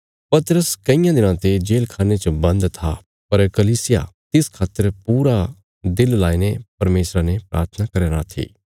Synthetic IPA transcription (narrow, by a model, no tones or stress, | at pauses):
pɐt̪ɾəskɐijãd̪ɪnãt̪ed͡ʒeːlkʰaːnet͡ʃobɐ̃nd̪t̪ʰa | pɐɾkɐliːsɪja̰t̪ɪskʰaːt̪ːəɾpuːɾa | d̪ɪllaːinepɐɾmeːsɾanepɾʔa̰ːɾt̪ʰənakɐɾeɾat̪ʰḭː